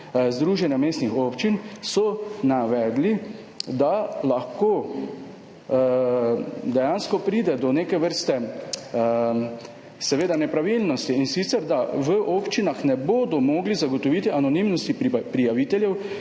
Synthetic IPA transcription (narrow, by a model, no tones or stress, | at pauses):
zd̪ɾuːʒɛnjameːst̪nixoːpt͡ʃinsɔnaʋɛːd̪li | d̪alaxkoː | d̪ɛjanskɔpɾiːd̪ɛd̪ɔneːkɛʋəɾst̪ɛ | sɛʋeːd̪anɛpɾaʋilnɔst̪iinsit̪sɛɾd̪aʋəʔopt͡ʃinaxnɛboːd̪ɔmɔɡlizaɡɔt̪ɔʋiːt̪iʔanɔnimnɔst̪ipɾijaʋit̪ɛljɛw